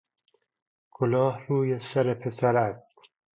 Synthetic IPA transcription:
kʰolɒːhruːjesæɾepʰe̞sæɾæst̪

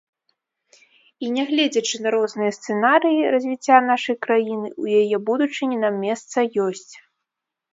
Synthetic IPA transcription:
inʲɛɣlʲɛd͡zʲɐt͡ʂɨnɐɾɔznɨjɐst̪sɛnaɾɨjirɐzʲvʲit͡sʲːanaʂɐjkɾajinɨujajɛbud̪ut͡ʂɨnʲinamːʲɛst̪sɐjɔsʲt͡sʲ

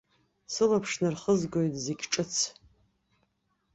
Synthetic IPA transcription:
sɨlapʰʂnɨrχəzɡʷojtʼzeɡʲʈ͡ʂʼɨt͡sʰ

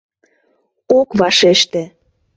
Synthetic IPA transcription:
okβɑʃeʃt̪ĕ

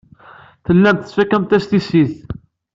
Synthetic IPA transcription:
θəlːæmt̪θəsfækːæmt̪æst̪isiθ

